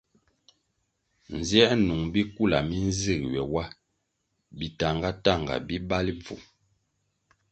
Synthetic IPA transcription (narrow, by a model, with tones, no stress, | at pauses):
n̩˨zjɛ˦ʔnu˨ŋbi˦ku˦˨la̰˨mi˦n˦zi˦˨kwɛ˨wa˦ | bi˨ta˨ŋɡa˦ta˦˨ŋɡa̰˨bi˦ba˦li˦b͡vṵ˨